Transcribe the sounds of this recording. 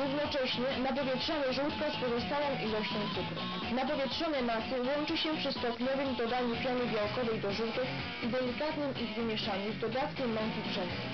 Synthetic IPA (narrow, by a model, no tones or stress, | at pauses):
ɾuvnɔt͡ʂɛɕɲɛnapɔvʲjɛtʂɔnɛʐuwt̪kɔspɔzɔst̪awɔ̃w̃ʔilɔɕt͡ɕɔ̃w̃t̪sɘkɾu | napɔvʲjɛtʂɔnɛmasɘwɔnt͡ʂɘɕɛpʂɛst̪ɔpɲɔvɘmd̪ɔd̪aɲupʲjɔnɘbʲjawkɔvɛjd̪ɔʐut̪u | id̪ɛlʲikat̪nɘmiɣvɘmʲjɛʂaɲuzd̪ɔd̪at̪kʲɛmːɔ̃ŋkʲibʐɛnd̪u